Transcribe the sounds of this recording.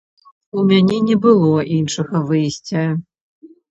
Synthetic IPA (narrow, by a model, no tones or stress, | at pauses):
umʲanʲɛnʲɛbɨlˠɔʔinʂɨɣɐvɨjsʲt͡sʲɐ